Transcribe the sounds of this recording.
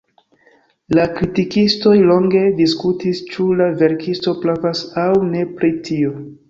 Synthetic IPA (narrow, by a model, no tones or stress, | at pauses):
lakɾitikisto̞jlo̞ŋɡe̞diskutist͡ʃulave̞ɾkʰisto̞plavasawne̞pɾitʰio